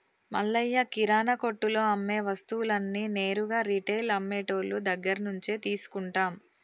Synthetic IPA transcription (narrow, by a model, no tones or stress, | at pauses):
mɐ̰lːɐjːɐkiɾaːnɐko̞ʈːulo̞ːɐmːeːʋɐst̪uwulɐnːine̞ːɾuɡaːɾiʈejlɐmːeːʈo̞ːlud̪ɐɡːɐɾɐnuɲt͡ʃeːt̪iːsu̥kuɳʈaːm